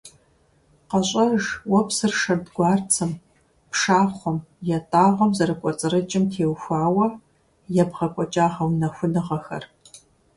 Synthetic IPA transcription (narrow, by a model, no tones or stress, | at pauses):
qɐɕʼɐʒwɔpsɨrʂɐrdɡʷɑːrt͡sʰɨm | pʂaːχʷɔmjɛtʼaːʁʷɐmzɐɾɨkʷʼɔt͡sʼɨrɨt͡ʃʼɪmtʰeːwxʷaːwɐ | jɛbʁɐkʷʼɔt͡ʃʼaːʁɐwnɐxʷʊnɨʁɐxɐ̰r